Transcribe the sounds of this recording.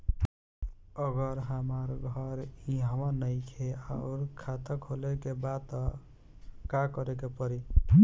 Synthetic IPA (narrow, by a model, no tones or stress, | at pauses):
əɡəɾɦəmaɾɡʱʌɾĩɦəmənəjkʰeaʊɾkʰat̪əkɦolekebat̪ɔ | kakəɾekepəɾi